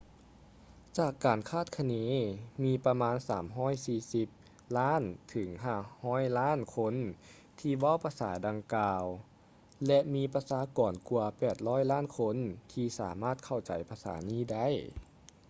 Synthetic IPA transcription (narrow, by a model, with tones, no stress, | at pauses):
t͡ɕaː˧˩kːaː˨˩nkʰaː˥˩t̪̚kʰa˧neː˧˥miː˧pa˧maː˧˥nsaː˩˦mɦɔː˧˥˩jsiː˧si˧˦p̚ | laː˥˨nt̪ʰɯ˩˦ŋɦaː˧˩hɔː˧˥˨jlaː˥˨nkʰo˧˥n | t̪ʰiː˧ʋa˧˥˨wpʰa˧sa̰ː˩˦da˧ŋkaː˧w | lɛ˧ʔmiː˧pa˧saː˨˦kɔː˨˩nku˧ɐpɛː˨˩t̪̚lɔː˧˥˨jlaː˥˨nkʰo˧˥˨nt̪ʰiː˧sa̰ː˩˦maː˧˥˩t̪̚kʰa˧˩wt͡ɕa˨˩jpʰa˧sa̰ː˩˦niː˧˥˨da˥˩˨j